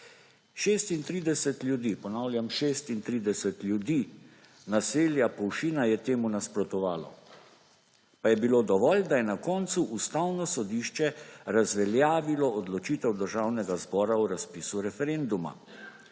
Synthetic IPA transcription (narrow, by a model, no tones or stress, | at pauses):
ʃeːst̪int̪ɾiːd̪ɛsɛt̪lʲjud̪iːpɔnawlʲjamʃest̪int̪ɾiːd̪ɛsɛt̪lʲjud̪iː | naseːljapɔwʃiːnajɛt̪eːmunaspɾɔt̪ɔʋaːlɔ̰ | pajɛbilod̪ɔʋɔld̪ajɛnakɔnt̪suʔust̪awnɔsɔd̪iːʃt͡ʃɛɾazʋɛljaːʋilɔɔd̪lɔt͡ʃiːt̪ɛwd̪əɾʒaːwnɛɡazbɔːɾauɾaspiːsuɾɛfɛɾend̪uma̰